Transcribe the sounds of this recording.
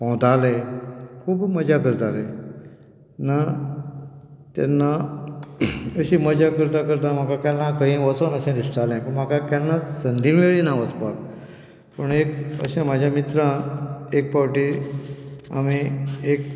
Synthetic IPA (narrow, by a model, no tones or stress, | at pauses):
pɔ̃wt̪alekʰuːbməd͡ʑʱakəɾt̪alẽ | na | t̪ɛ̰nːa | əɕiːməd͡ʑakəɾt̪akəɾt̪ãm̤akakjalãkə̃ɦĩʋət͡sonəɕɛ̃d̪ist̪alɛ̃pəɳm̤akakjanːasənd̪ʱimeɭinaʋət͡spak | pəɳekə̰ɕãmad͡ʑʱjamit̪ɾãek̚pawʈi | a̰miek̚